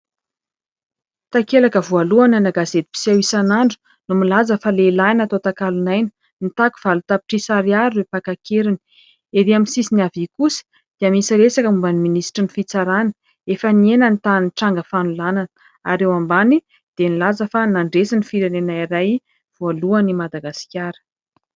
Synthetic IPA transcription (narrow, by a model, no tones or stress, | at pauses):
t̪akelakəvualuananaɡazet̪i̥pi̥siawisanaɳɖ͡ʐu̥ | numilazəfalelanat̪ot̪akalunajnə̥ | nit̪aku̥v̥alut̪api̥ʈ͡ʂisaɾiaɾiɾepakakʰeɾini̥ | eɾiamisisiniavikusi̥ | d̪̥eamisiɾesakəmumbaniminisi̥ʈ͡ʂinifit͡saɾanə̥ | efənienənt̪anʈ͡ʂaŋɡəfanulananə | a̰ɾewambani | d̪̥enilazəfanaɳɖ͡ʐesinifiɾanenaiɾaj | v̥ualuanimad̪aɡasi̥kʲaɾə̥